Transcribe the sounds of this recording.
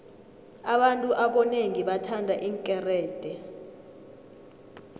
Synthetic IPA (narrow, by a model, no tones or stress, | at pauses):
aɓantʼuʔaɓɔneŋiɓatʰandʱaʔiŋkʼɛrɛːd̥ʱʼɛ